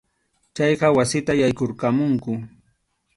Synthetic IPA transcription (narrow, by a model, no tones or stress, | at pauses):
t͡ʃɑjqɑwasɪt̪ajajkoɾkamʊŋkʊ